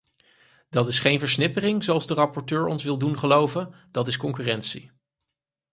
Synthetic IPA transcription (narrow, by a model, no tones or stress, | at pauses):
d̥ɑtɪsχejnvəɹsnɪpərɪŋzowɑlˠzdərɑpɔɹtøːɹɔ̰nsʋɪlˠdunχəlowvən | d̥ɑtɪskɔŋkyːrɛntsḭ